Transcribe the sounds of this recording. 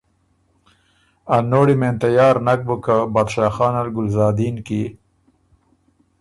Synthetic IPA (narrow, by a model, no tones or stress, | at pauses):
anoːɽimeːnt̪ajɑːɾnɐk̚bukabad̪ʃaːxɑːnalɡʊlzɑːd̪iːnki